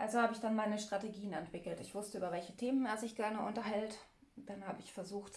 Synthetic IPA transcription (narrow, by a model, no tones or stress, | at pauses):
ʔalzohaːbəɪçd̥anmaɪnəʃtʁ̥ateɡiːənɛntv̥ɪkl̩tɪçv̥ʊstəʔyːbɐvɛlçətʰeːməneːɐzɪçɡ̥ɛɐnəʔʊntɐɦɛlt | d̥anhaːbəɪçfɛɐzuːxt